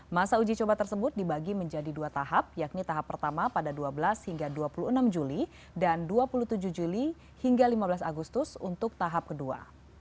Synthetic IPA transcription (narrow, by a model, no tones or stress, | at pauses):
masaud͡ʒit͡ʃobat̪ərsəbʊt̪̚dibaɡiməɲd͡ʒadiduat̪aɦap̚jaknit̪aɦapːərt̪amapadaduabəlashiŋɡaduapuluənamd͡ʒuli | danduapulut̪ud͡ʒuhd͡ʒuli | hiŋɡalimabəlasaɡust̪ʊsunt̪ʊk̚t̪aɦap̚kədua̰